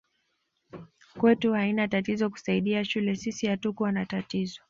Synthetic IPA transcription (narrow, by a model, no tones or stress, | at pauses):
kwɛtuhainatatizɔku̥saiɗiaʃulɛsisihatukuwanatatizɔ